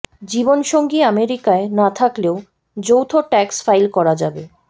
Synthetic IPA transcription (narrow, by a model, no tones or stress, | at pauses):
d͡ʑibonʃoŋɡiameɾikaenat̪ʰakleo | d͡ʑowt̪ʰoʈɛksfajlkɔɾad͡ʑabe